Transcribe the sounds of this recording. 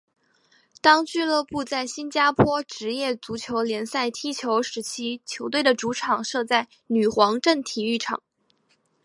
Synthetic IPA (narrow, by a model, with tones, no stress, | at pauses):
t̪ɑ˥ŋt͡ɕy˥˧lɤ˥˧pu˥˧t͡sa˥˩ɪɕi˥nt͡ɕja˥pʰwɔ˥ʈ͡ʂɻ̩˧˥jɛ˥˩t͡su˧˥t͡ɕʰjo˧˥ʊljɛ˧˥nsa˥˩ɪt̪ʰi˥t͡ɕʰjo˧˥ʊʂɻ̩˧˥t͡ɕʰi˥t͡ɕʰjo˧˥ʊt̪we˥˩ɪd̪ə˩ʈ͡ʂu˧˥ʈ͡ʂʰɑ˨˩ŋʂɤ˥˧t͡sa˥˩ɪ | ny˨˩xwɑ˧˥ŋʈ͡ʂə˥˩nt̪ʰi˨˩y˥˩ʈ͡ʂʰɑ̰˨˩˦ŋ